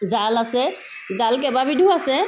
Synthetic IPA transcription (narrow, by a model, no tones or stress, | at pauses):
zalasɛ | zalk̬ɛbabidʱuasɛ